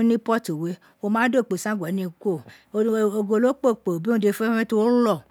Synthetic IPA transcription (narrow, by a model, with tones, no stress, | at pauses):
nĩ˦pɔ˦to˨we˨˦ | wo˧mãː˦do˦˨k͡pe˨sã˦ɡʷɔ˨˦nĩ˨ko˦˨ | o˨o˨ɡo˨lo˦k͡po˦˨k͡po˨bi˦ũ˦˨de˧fe˦fẽ˦to˦wo˦lɔ˦˨